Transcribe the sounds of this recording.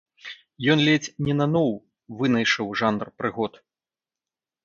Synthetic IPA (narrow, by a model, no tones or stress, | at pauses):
jɔnlʲɛt͡sʲnʲɛnɐnɔw | vɨnɐjʂɨwʐand̪rpɾɨɣɔt̪